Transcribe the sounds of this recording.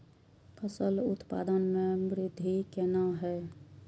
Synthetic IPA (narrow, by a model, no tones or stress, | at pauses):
pʰəsəlʊt̪pa̰ːd̪ənmẽmɾɪd̪ʱikeːnaɦɛː